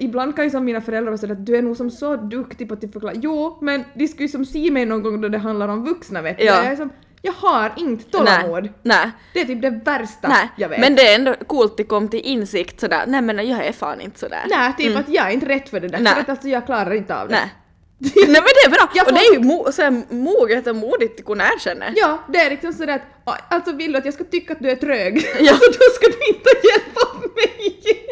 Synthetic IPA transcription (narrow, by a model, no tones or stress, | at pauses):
ɪbland̪̚kɑnjʉsɔmːiːnafœɾɛld̪ɾasɛjːt̪̚d̪ʉænuːɡsɔmsɔd̪ʉkt̪ɪpat̪̚d̪yfəɾklɑ̰ːjuːmɛnd̪ɪskajʉsɔmsiːmɛjnɔnɡɔŋːd̪ɔd̪ɛɦand̪laɾɔmvʉksnaʋeːt̪ːjɑɛsɔm | jɑːɡhɑɾɪŋːt̪t̪ɔlamoːd̪nɛ | d̪ɛæʈ̪t̪yːp̚d̪ɛvæɾst̪anɛjɑʋḛːmɛnd̪ɛɛnd̪ɔkuːlt̪̚d̪ɛkɔmːt̪ɪlʔɪnsɪkt̪sɔd̪æ̰ːɾa̰nɛmɛnjɑːɡɛɾfɑ̰ːnɪ̰nt̪ə̥sɔd̪æ̰ːɾnæt̪ʰyːpːat̪jɑːɡɛɾɪnt̪əɾɛt̪ːfœɖɛd̪æɾfœɾat̪alt̪sɔjɑːɡ̚kʰlɑːɾaɾɪnt̪əɑ̰vd̪nɛ̰ | nɛmɛnd̪ɛːbɾɑːɑɔd̪ɛːɾjʉmuːsɔd̪æːɾmuːɡət̪ɔmuːd̪ɪt̪ːɪkʊnæːɾɕɛnːə̰ɾjɑːd̪ɛæɾlɪksɔmsɔd̪æːɾat̪ | ɔalt̪sɔvɪld̪ʉat̪jɑːskat̪ʏkːaːt̪d̪ʉæʈʰɾøːɡjɑːɔd̪ɔskad̪ʉɪnt̪əjɛlpːamɛj